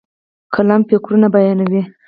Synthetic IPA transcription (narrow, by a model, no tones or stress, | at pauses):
kʰalampekɾunabajɑnawi